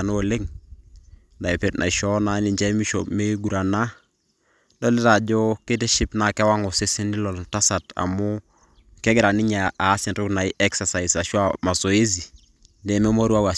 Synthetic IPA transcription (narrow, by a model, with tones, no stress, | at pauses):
a˨no˦o˨le˦ŋ | da˨i˨pe˦tnʔa̰˨i˨ʃɔ˦na˦ni˨d͡ʒa˦mi˦ʃo̰˨me˦ɡu˨ɾa˨na˦ | do˦li˦ta˨d͡ʒo˦ke˦te˦ʃi˦pna˨ke˦wa˦ŋo˨se˦si˦ni˦lo˨lta˦sa˨ta̰˨mu˦ | ke˦ɡɪ˦ɾa˨ni˦ɲa˨a˨˦si˨nɾu˦kna˨i˦ʔɛ˦ksa˨sa˨i˨sa˨ʃwa˦ma˨so˨e˦zi˨ | de˨me˦mo˦ɾu˦a˦wa˨